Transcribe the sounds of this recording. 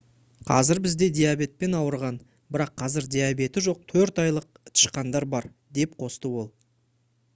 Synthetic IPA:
qʰɑ̰zɪɾbɪzd̪e̞d̪ejabe̞t̪̚pe̞nɑwəɾʁɑn | bɪɾɑqʰːɑzɪɾd̪ʲijabe̞t̪ɪʒo̞q̚t̪ʰɵɾt̪ɑjlˠəq̚ | t̪ʰɪ̥ʃqɑnd̪ɑɾbɑɾ | d̪e̞p̚qʰo̞st̪əwo̞lˠ

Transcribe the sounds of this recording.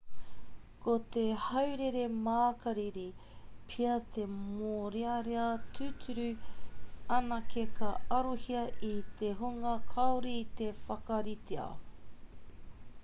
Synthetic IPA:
kot̪ehɐwɾeɾe̞maːkɐɾiɾipʰiɐt̪e̞moːɾeɐɾeɐtʰʉtʉɾʉ | ɐnɐkekɐɐɾohiɐʔit̪eɦoŋɐkʰɐoɾit̪efɐkɐɾiteɐ̰

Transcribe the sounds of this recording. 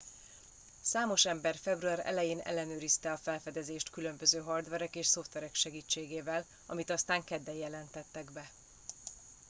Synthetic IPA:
saːmo̞ʃɛmbɛrfɛbruaːɾɛ̰lɛjeːnɛ̰lːɛnøːɾist̪ɛɒfɛlfɛd̪ɛzeːʃt̪kylø̞mbø̞zøːɦɒrd̪ʋɛɾɛkeːʃso̞ft̪ʋɛɾɛkʃɛɡiːt͡ʃːeːɡeːvɛl | ɒmit̪ɒst̪aːŋkɛd̪ːɛljɛlɛnt̪ɛt̪ːɛɡbɛ

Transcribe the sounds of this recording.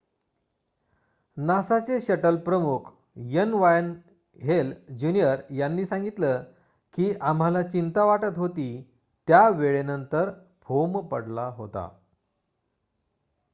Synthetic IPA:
nasat͡seɕəʈəlpɾəmukʰ | jənʋajn | ɦeld͡ʑunijəɾjanːiːsãŋɡit̪lə | kiːʔam̤alat͡ɕint̪aʋaʈət̪ɦot̪iː | t̪jaʋeɭenənt̪əɾ | pʰompəɽlaɦot̪a̰

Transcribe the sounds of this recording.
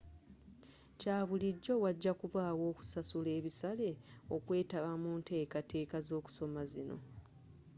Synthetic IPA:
caːβuliɟːo̞waɟːakuβaːwo̞ːku̥sasule̞ːβisale̞o̞kwe̞ːtaβamuːnte̞ːkate̞ːkazo̞ːku̥so̞mazino̞̰

